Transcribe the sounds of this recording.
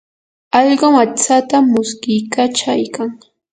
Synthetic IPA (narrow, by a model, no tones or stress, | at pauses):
ɑʎɢomat͡sat̪amʊskɪjkat͡ʃajkaŋ